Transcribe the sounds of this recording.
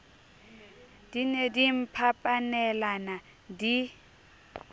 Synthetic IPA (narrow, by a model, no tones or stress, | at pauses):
d̥inedim̩pʰapʼanɛlana | di